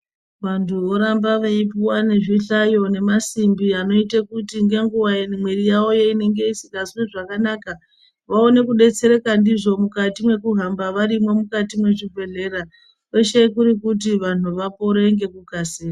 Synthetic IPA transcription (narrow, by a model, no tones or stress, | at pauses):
ʋantʰuʋo̞ɾambaʋeipiwane̞ʐiɬajo̞ne̞masimbiano̞itekutiŋɡe̞ŋɡuwaenimwe̞rijao̞jeine̞ŋɡe̞isi̥kasuwiʐakanaka | ʋao̞ne̞kuɗe̞t͡se̞ɾe̞kandiʐo̞mukatimwe̞kuɦambaʋaɾimwe̞mukatimwe̞ʐivʱe̞ɮe̞ɾa | ke̞ʃe̞kuɾikut̬iʋan̤uʋapo̞ɾeŋɡe̞kukaseːa